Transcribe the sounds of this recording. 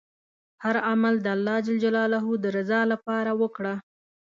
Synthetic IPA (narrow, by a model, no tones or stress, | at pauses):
haɾamald̪əalːɑd͡ʒald͡ʒalɑlaɦud̪əɾazɑlapɑɾawəkɽa